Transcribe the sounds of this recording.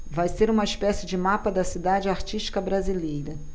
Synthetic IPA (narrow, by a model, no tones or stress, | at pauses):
vajseɾũmɐiʃpɛsɪd͡ʒɪmapɐd̪ɐsid̪ad͡ʒɪaɾt͡ʃiʃt͡ʃi̥kɐbɾazilejɾɐ